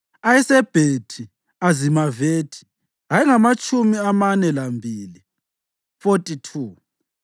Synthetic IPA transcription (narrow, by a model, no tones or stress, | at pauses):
ajɛsɛb̥ʱetʰi | azimaveːtʰi̥ | ɦaiŋamat͡ʃʼumiamanɛlambʱiːli | fotʼitʰuː